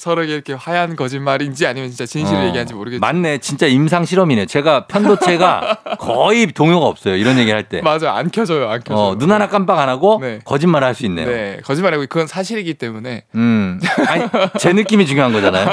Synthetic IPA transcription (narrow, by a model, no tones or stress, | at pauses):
sʰʌɾʌɡeiɾʌkʰeɸajaɦanɡʌd͡ʑinmaɾind͡ʑiaɲimjʌnt͡ɕint͡ɕ͈at͡ɕinɕʰiɾɯɭje̞ɡiɦand͡ʑimoɾɯɡemanːe̞t͡ɕint͡ɕ͈aims̬ʰaŋɕʰiɾʌmine̞jot͡ɕe̞ɡapʰjʌnddot͡ɕʰe̞ɡakʌitoŋjoɡaʌp̚s͈ʌjoiɾʌnje̞ɡiɾɭhaɭt͈e̞̰mad͡ʑaja̰nkʰjʌd͡ʑʌjoankʰjʌʌnunanak͈anp̬͈aɡanaɡonekʌd͡ʑinmaɾɦaɭs͈uinːḛjoekʌd͡ʑinmaɾɦaɡokɯɡʌnsʰaɕʰiɾiɡit͈e̞mune̞ɯaɲit͡ɕe̞nɯk͈imit͡ɕuŋjoɦaŋɡʌd͡ʑanajo